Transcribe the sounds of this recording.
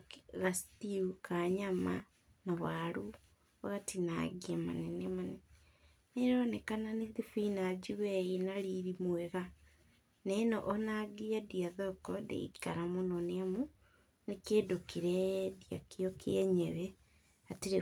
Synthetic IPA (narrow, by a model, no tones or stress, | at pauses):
ɣastiukaɲama̰ | nawaɾu | oɣatina̰ɡiama̰nenemanen | neɾonekananeðifinad͡ʒiweinaɾiɾimweɣa | nenoʔnaɡiadiaðɔkɔdḛḭkaɾamononeamu | nekeːdokiɾedjakiokʰeeɲeβe | atiɾe